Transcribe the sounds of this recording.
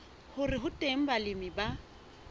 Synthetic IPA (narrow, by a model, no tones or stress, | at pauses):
hʊrɪɦʊtʼem̩balɪmɪba